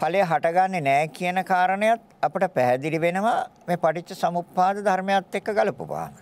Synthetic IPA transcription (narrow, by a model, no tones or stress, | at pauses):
palejɦaʈɐɡanːenɛːkijənəkaːɾənəjat̪ɐpəʈəpæɦɛd̪iliʋenəʋameːpaʈit͡ʃːəsɐmupːaːd̪əd̪ʱaɾmejat̪ːekːɐɡaləpṵpa̰ːmə